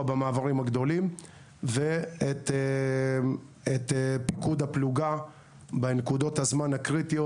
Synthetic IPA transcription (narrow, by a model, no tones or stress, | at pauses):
bemaːvaʁimhaɡd̪o̞lim | veet̪ | et̪epikud̪apluɡa | benkud̪o̞t̪hazmanhakʁit̪io